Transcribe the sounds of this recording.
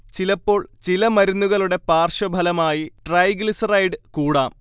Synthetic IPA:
t͡ɕilɐpːo̞ːɭt͡ɕilɐmɐɾunːuɣɐɭuɽe̞paːrʂɐbʱɐlɐmaːjiʈrɐjɡlisrɐjɖɨkuːɽaːm

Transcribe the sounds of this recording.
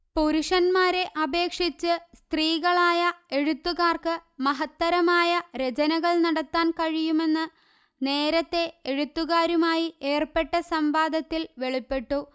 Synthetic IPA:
poɾuʂɐnmaːɾe̞ʔɐbʱe̞ːkʂit͡ɕːɨst̪riːɣɐɭaːjɐe̞ɻut̪ːuɣaːrkɨmɐɦɐt̪ːɐɾɐmaːjɐɾe̞d͡ʑɐnɐɣɐɭnɐɽɐt̪ːaːnkɐɻijume̞nːɨ | neːɾɐt̪ːe̞eɻut̪ːuɣaːɾumaːjiʔeːrpe̞ʈːɐsɐmbaːd̪ʱɐt̪ːilʋe̞ɭipːe̞ʈːu

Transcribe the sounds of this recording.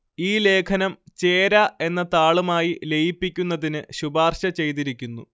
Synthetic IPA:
iːle̞ːkʰɐnɐmt͡ɕeːɾɐe̞nːɐt̪aːɭumaːjile̞jipːikʲːunːɐðinɨɕubaːrɕɐt͡ɕe̞jt̪̬iɾikʲːunːu

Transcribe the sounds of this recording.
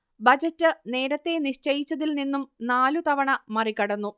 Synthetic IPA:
bɐd͡ʑɐtːɨne̞ːɾɐt̪ːe̞niʂt͡ɕɐjit͡ɕːɐðilninːumnaːlut̪ɐʋɐɳɐmɐrikːɐɽɐnːu

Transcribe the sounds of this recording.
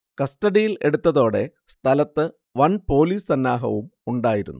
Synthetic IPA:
kɐsʈɐɽijile̞̰ɽut̪ːɐðo̞ːɽe | st̪ʰɐlɐt̪ːɨ | ʋɐnpo̞ːliːsɐnːaːɦɐ̰ʋumuɳɖaːjiɾṵnːu

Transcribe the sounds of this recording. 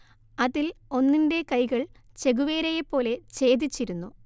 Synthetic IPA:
ɐðilo̞nːinde̞kɐjɣɐɭ | t͡ɕe̞ɣuʋe̞ːɾejepːo̞ːle̞t͡ɕe̞ːd̪it͡ɕːiɾunːu

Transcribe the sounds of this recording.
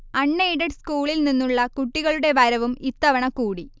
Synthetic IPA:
ɐɳːeiɖɐɖskuːɭilninːuɭːɐkuʈːiɣɐɭuɽe̞ʋɐɾɐʋumit̪ːɐʋɐɳɐkuːɽi

